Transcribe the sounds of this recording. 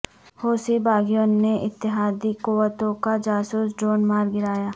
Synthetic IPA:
hoːsibaːɡijõnːeʔɪt̪ːɪɦaːd̪ikuʋət̪õkad͡ʒaːsuːsɖɾoːnmaːɾɡɪɾaːjaː

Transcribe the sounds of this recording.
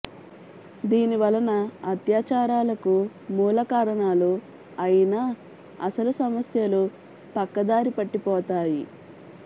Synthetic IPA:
d̪iːniʋɐlɐnɐːt̪jaːt͡ʃaːɾaːlɐku | muːlɐkaːɾɐɳaːlu | ɐjinaː | ɐsɐlusɐmɐsjɐlu | pɐkːɐd̪aːɾipɐʈːipɔːt̪aːji

